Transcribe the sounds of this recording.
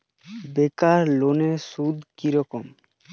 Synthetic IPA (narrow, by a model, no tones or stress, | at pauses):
bekaɾlonesud̪kiɾɔkom